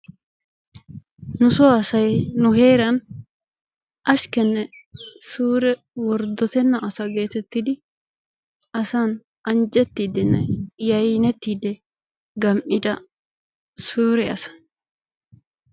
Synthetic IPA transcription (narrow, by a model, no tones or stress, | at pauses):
nʊsɔɐsɐjnʊɦe̞ːɾɐn | ʔɐʃkɛnːɛsuːɾɛ | wɔɾd̪ɔt̪ɛnːɐʔɐsɐɡe̞ːt̪ɛt̪ːɪd̪ɪ | ɐsan | ɐnd͡ʒɛt̪ːiːd̪ɛnːɛjɐjnɛt̪ːiːd̪ɛ | ɡɐmʔɪd̪ɐ | suːɾɛɐsɐ̥